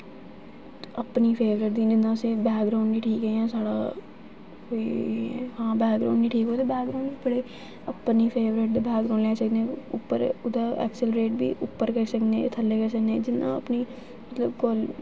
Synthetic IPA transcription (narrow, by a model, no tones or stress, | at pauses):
ɐpnipʰeːʋɾɪʈ̚d̪id͡ʒɪnãːsebɛːkɡɖɾaːʊ̃ɳɖbiːʈʰiːkɦeɛ̃ːsaːɽa | koːiɦãːbɛːkɡɾa̰ːʊ̃ɳɖiːʈʰiːkɦoːt̪ebɛːk̚ɡɾaʊ̃ɳbipəɽe | ɐpnipʰeːʋɾɪʈ̚d̪ebɛːkɾãʊ̃ɳɖleːsəknẽʊpːəɾʊd̪əɛ̰ːkselɾeːʈ̚bʱiʔʊpːəɾkəsəknet̪ʰɐlːekəɾsəknẽd͡ʒɪnːã̰ɐpni | mɐt̪ləbɡɔːl